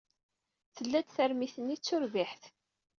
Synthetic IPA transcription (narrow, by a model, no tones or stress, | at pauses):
θəlːæd̪θəɾmiθənːit͡sːʊɾviħθ